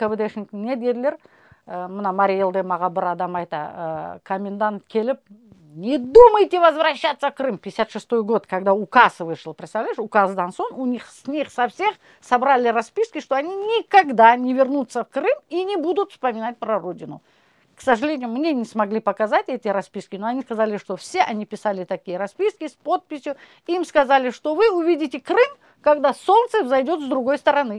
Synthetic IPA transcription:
kəbɨd̪eʂnʲknʲed̪ʲedʲlʲɪr | mɨnamɐɾʲijelˠd̪ɨmɐʁɑbɨɾad̪amajt̪ə̰kʰɐmʲɪnd̪ant̪kʲe̞lʲɪp̚ | nʲɪd̪uməjtʲɪvɐzvɾɐɕːat̪sːəfkrɨmpʲɪjɪsʲat̪ʂɨst̪o̞jɡo̞t̪kʰɐɡd̪aukasvɨʂlˠpɾʲɪt̪st̪ɐvlʲæjɪʂʊkazd̪anso̞nunʲiχsʲnʲiχsɐfsʲe̞χ | sɐbɾalʲɪɾɐspʲiskʲɪʂt̪o̞ɐnʲinʲɪkɐɡd̪anʲɪvʲɪrnut̪səfkrɨminʲɪbud̪ʊt̪fspəmʲɪnat̚ʲpɾɐrodʲɪnʊ̰ | ksəʐɨlʲenʲɪjʊmnʲe̞nʲɪsmɐɡlʲipɐkɐzatʲɛtʲɪɾɐspʲiskʲɪnoɐnʲiskɐzalʲɪʂt̪o̞fsʲe̞ʔɐnʲipʲɪsalʲɪt̪ɐkʲijəɾɐspʲiskʲɪspo̞t̪̚pʲɪsʲjʊ | imskɐzalʲɪʂt̪o̞vɨʊvʲidʲɪtʲɪkrɨm | kɐɡd̪aso̞nt̪sɨvzɐjdʲo̞t̪zd̪ɾʊɡo̞jst̪əɾɐnɨ

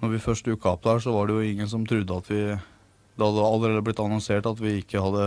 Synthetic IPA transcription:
nɔɾʋɪfœʂʈjʉkːɑp̚d̪əhæːʂɔʋɑɖɛjʊɪŋːəns̬ɔmt̪ʰɾʉd̪ːəɑt̪ʰʋɪ | d̪ɛhɑd̪ːəɑlːəɾeːd̪əblɪt̪ːɑnɔnseːʈɑt̪ʋɪɪkːəhɑd̪ːə

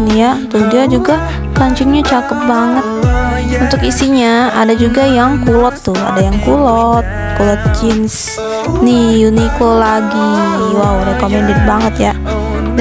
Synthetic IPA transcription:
nijat̪udiad͡ʒuɡa | kaɲt͡ʃɪŋɲat͡ʃat̪əp̪̚baŋət̪̚ | unt̪ʊkisiɲaadad͡ʒuɡajaŋkulɔt̪ːʊa̰dajaŋkulɔt̪̚kulɔt̪̚d͡ʒɪns | nijunikolaɡiwawɾɛkomɛndɪt̪̚baŋət̪ja

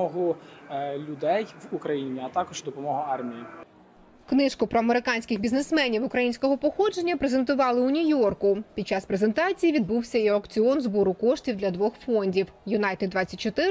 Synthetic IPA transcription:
ɔɦʊ | lʲʊd̪ɛjʋukɾɐjinʲiɐt̪ɑkɔʒd̪ɔpɔmɔɦʊɑrmʲiji | knɪʃkʊpɾɔɐmeɾɪkɑnʲsʲkɪxbʲiznesmɛnʲiwʊkɾɐjinʲsʲkɔɦɔpɔxɔd͡ʒe̞nʲːɐpɾe̞ze̞nt̪ʊʋɑlˠɪʊnʲijɔrkʊpʲid̪̥̚t͡ʃɑspɾe̞ze̞nt̪ɑt͡sʲijiʋʲid̪̚buwsʲɐiɐkt͡sʲiɔnzbɔɾʊkɔʃtʲiwd̪lʲɐd̪ʋɔxfɔnʲdʲiwjʊnɑjt̪ed̪ʋɑt͡sʲːɐtʲt͡ʃːɔt̪ɪ

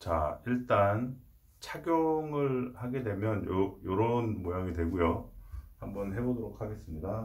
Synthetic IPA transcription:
t͡ɕaiɭt͈an | t͡ɕʰaɡjoŋɯɭhaɡe̞dwe̞mjʌnjojoɾʌnmojaŋidwe̞ɡujohambʌnhe̞bodoɾokʰaɡe̞s͈ɯmɲida

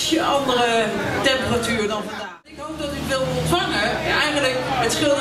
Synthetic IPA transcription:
sjəɑndərətɛmpəratyːrədɑnfəndaːnɪkɦowp̚dɑtyʋɪlˠɔntfɑŋənɛjχənləkɦətsχɪlˠ

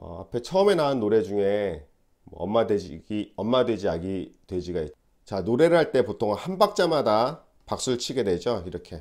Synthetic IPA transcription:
ʌ̰a̰pʰe̞t͡ɕʰʌme̞naɯnːoɾe̞d͡ʑuŋe̞ | mʌ̰ʌ̰mːadeɡiʌmːadwe̞d͡ʑiaɡitwe̞d͡ʑiɡai | t͡ɕanoɾe̞ɾɯɭhaɭt͈e̞potʰoŋhanbak̚t͡ɕ͈amada | pak̚s͈uɯɭt͡ɕʰiɡe̞dwe̞d͡ʑoiɾʌkʰe̞

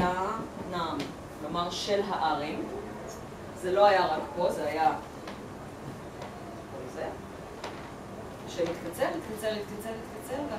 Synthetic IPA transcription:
anam | klomaʁʃelɦaʔaʁim | zelo̞ajaʁakpolzeaja | kolze | ʃemit̪kat͡seʁit̪kat͡seʁit̪kat͡seʁit̪kat͡selve

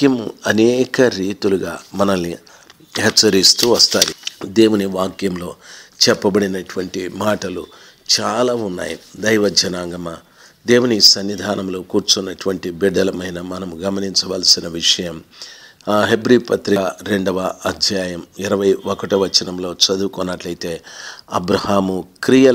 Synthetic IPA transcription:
kjɐmuɐnɛːkɐɾiːt̪uluɡaːmɐnɐnːi | ɦɛt͡ʃːsːɐɾist̪uʋɐst̪aːɾid̪e̞ːwuniʋaːkjɐmlo̞ːt͡ʃɛpːɐbɐɽinɐʈuʋɐɳʈimaːʈɐlu | t͡ʃaːlaːunːa̰ːjḭd̪ɐjʋɐd͡ʒɐnaːŋɡɐmɐ | d̪e̞ːwunisɐnːid̪ʱaːnɐmlo̞ːkuːɾt͡ʃunːɐʈuʋɐɳʈibid̪ɐlɐmɐjnɐmɐnɐmɡɐmɐniɲt͡ʃɐʋaːlsinɐʋiʂɐjɐm | ɦe̞bɾipɐt̪ɾiɾe̞ɳɖɐʋɐɐd̪ʱjaːjɐmiɾɐʋɐjʋɔkɐʈɐʋɐt͡ʃinɐmlo̞ːt͡ʃɐd̪uːkɔnːɐʈlɐjit̪e̞ːɐbɾɐhaːmukɾijɐ

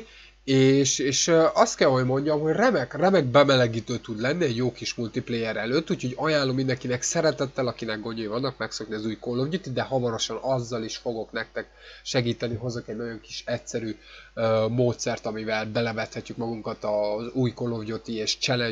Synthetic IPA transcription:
eːʃeːʃɒst̪kɛlɦo̞jmo̞ɲɟɒmɦo̞ɟrɛmɛkrɛmɛɡ̚bɛmɛlɛɡiːt̪øːt̪ud̪lɛnːiɛɟjoːkiʃmult̪iplejɛɾɛløːt̪ːuːcʰho̞ɟɒjaːlːomind̪ɛŋkinɛksɛɾɛt̪ɛt̪ːɛlɒkinɛɡ̚ɡo̞ɲojvɒnːɒkmɛkso̞kniɒzuːjkolːovɟot̪id̪ɛɦɒvɒɾo̞ʃɒnɒzːɒliʃfo̞ɡo̞kn̪ɛk̚t̪ɛk | ʃɛɡiːt̪ɛniɦo̞zokɛɟnɒɟo̞ŋki̥ʃɛtsɛɾyːømoːt̪sɛrt̪ɒmivɛlbɛlɛvɛt̪hɛcːykmɒɡuŋkɒt̪ɒzuːjkolːovɟot̪ieːʃt͡ʃɛlɛ

